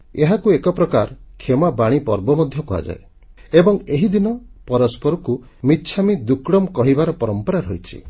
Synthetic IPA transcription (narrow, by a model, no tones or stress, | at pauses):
eɦakuekɔpɾɔkaɾkʰemabaɽ̃ipɔɾbɔmɔd̪ʱjɔkua̰d͡ʒa̰e | ebɔŋeɦid̪inɔpɔɾɔspɔɾɔku | mitːt͡ʃʰamid̪ukɽɔmkɔɦibaɾɔpɔɾɔmpɔɾaɾɔjt͡ʃʰḭ